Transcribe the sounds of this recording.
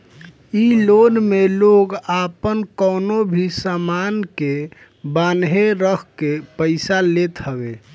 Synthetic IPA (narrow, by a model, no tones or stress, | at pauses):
ilonmeloɡapənkəːnobʱisamanke | banɦeɾəkkepəɪsalet̪ɦəbe